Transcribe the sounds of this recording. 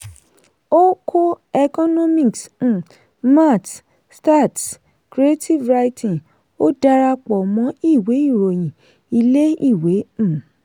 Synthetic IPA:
o˦kʰo˦ | ɛ˧kɔ˦nɔ̃˦mĩ˦˨ks̩˨ | ma˦˨t | sta˦˨t | kɾi˨˦e˦tʰi˦˨vɾa˧i˦tʰĩ˨ | o˦da˦ɾa˧k͡pɔ˨mɔ̃˨˦i˦˨we˨˦i˦˨ɾo˨j̃ĩ˨ | i˧le˦i˦˨we˨˦˨

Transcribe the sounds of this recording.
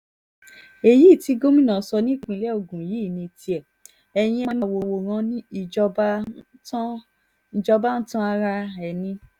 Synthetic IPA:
e˨ji˦˨ti˧ɡo˦mĩ˦nã˨sɔ˧nĩ˦˨k͡pĩ˧˨˧lɛ˦o˦˨ɡũ˨jiː˨˦˨nĩ˧˨ti˧ɛ˨ | ɛ˨j̃ĩ˧˦˧na˦˨wo˨wo˨ɾ̃ã˧nĩ˦i˦˨d͡ʒɔ˧ba˦tã˦ | n̩˨d͡ʒɔ˧ba˦n̩˦tã˦a˧ɾa˧ɛ˨nĩ˧

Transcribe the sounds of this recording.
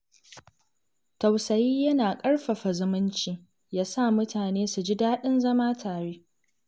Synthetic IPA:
tɐ˨wsɐ˨jiː˦jɐ˦naː˨kʼɐ˦ɽɸɐ˨ɸa˨zʊ˨mʊ˦nt͡ʃiː˦ | jaː˦sa˦˨mʊ˦taː˨neː˦su˨d͡ʒi˦daː˦ɗɪ˦nzɐ˦maː˦tʰaː˨ɽeː˦

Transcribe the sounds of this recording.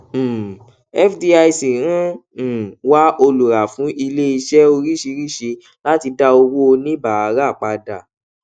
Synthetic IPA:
ɛ˦fdi˧˦a˧jsi˨˦ɾũ˦˨ | wa˦o˧lu˨ɾa˨fũ˨˦ʔi˧le˦i˧ʃɛ˦o˧ɾi˦ʃi˧ɾi˦˨ʃi˧ | la˦ti˧da˦o˧wo˦o˧nĩ˦ba˨a˨˧˦ɾa˦˨k͡pa˧da˨

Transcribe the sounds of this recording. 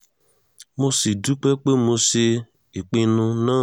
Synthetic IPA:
mo˦se˨du˦k͡pe˦k͡pe˦mo˧se˧ | e˨k͡pi˦nʊ̃˧nãː˦˨

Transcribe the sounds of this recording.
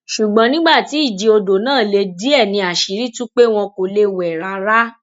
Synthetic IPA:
ʃu˨ɡ͡bɔ̃˨˦nĩ˦ɡ͡ba˦˨ti˨˦i˦˨d͡ʒi˧o˧do˨nãː˦˨le˧di˦ɛ˦˨nĩ˧a˨ʃi˨ɾi˦tũ˦k͡pe˦w̃ɔ̃˧ko˨le˧wɛ˨ɾa˧ɾa˦

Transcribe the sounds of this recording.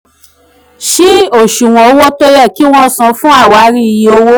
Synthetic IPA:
ʃi˦o˦˨ʃũ˨w̃ɔ̃˨˦wɔ˦to˦jɛ˦˨ki˨˦w̃ɔ̃˧sã˧fũ˦a˦˨wa˨˦ɾi˦i˧ji˧o˧wo˦

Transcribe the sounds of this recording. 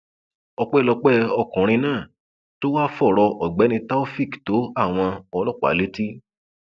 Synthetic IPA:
ɔ˧k͡pɛ˦˨lɔ˧k͡pɛ˦ɔ˧kɔ̃˨ɾ̃ĩ˧nãː˦˨ | to˦wa˦fɔ˦˨ɾɔ˧ʔɔ˨ɡ͡bɛ˨˦nĩ˧ta˦o˦fi˦˨kto˨˦a˦˨w̃ɔ̃˧ɔ˧lɔ˦˨k͡pa̰˨˦le˦ti˦

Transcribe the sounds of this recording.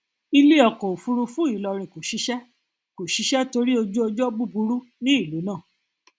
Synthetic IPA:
i˧le˦ɔ˨kɔ˨fu˧ɾu˧fũ˦i˨lɔ˧ɾ̃ĩ˨ko˨ʃi˨˦ʃɛ˦ | ko˨ʃi˨˧˦ʃɛ˦to˧ɾi˦o˧d͡ʒo˦o˧d͡ʒɔ˦ɡ͡bu˦˨bu˧ɾu˦ | nĩ˦i˦˨lo˨˦nã˦˨

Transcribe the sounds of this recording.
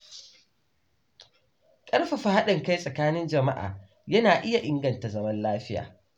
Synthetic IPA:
kʼɐ˦ɽɸa˨ɸa˨ha˦ɗɐ˨ŋka˦jsʼɐ˨kaː˦nɪ˦nd͡ʒɐ˨ma˦ʔa̰ː˨ | jɐ˦naː˨ʔɪ˦ja˨ʔɪ˦ŋɡɐ˨nta˨zɐ˦mɐ˦nlaː˦ɸɪ˦ja̰ː˨

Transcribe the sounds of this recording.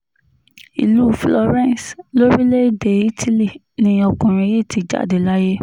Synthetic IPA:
ḭ˨lu˦flɔ˧ɾɛ̃˦˨slo˦ɾi˦le˦de˨i˦tʰi˦li˦˨ | nĩ˧ɔ˧kɔ̃˨ɾ̃ĩ˧˦je˦˨ti˨˧˦d͡ʒa̰˦˨de˨la˦je˦

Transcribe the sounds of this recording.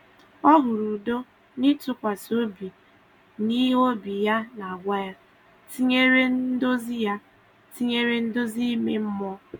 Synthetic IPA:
ɔ˦ɦʊ˨ɾu˨do˦ | nɪ˦tʊ˦kʷa˨so˦bi˨ | ni˦ɦo˦bi˨ja˦na˨a˨ɡʷa˦ja˦ | ti˦ɲe˦ɾe˦n̩˦do˦zi˦ja˦ | ti˦ɲe˦ɾe˦n̩˦do˦zi˦me˦m̩˦mɔ˦

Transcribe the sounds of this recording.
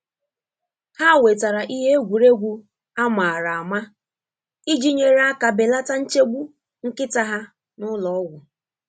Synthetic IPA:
ha˦˨we˨ta˨ɾa˨ʔi˦ɦe˦e˦ɡʷu˨ɾe˦ɡʷu˦ | a˦ma˨ɾa˨a˨ma˦ | i˦d͡ʒi˦ɲe˨ɾa˦ka˨be˨la˦ta˦n̩˦t͡ʃe˦ɡ͡bu˦ | ŋ̩˦kɪ˦ta˦ɦa˦ | nʊ˦lɔ˨ɔ˦wʷʊ˨

